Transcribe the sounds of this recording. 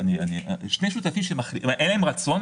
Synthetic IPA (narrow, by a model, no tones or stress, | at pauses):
nianḭʃne̞jʃut̪afimʃemaχliʔʔenlaemʁat͡so̞n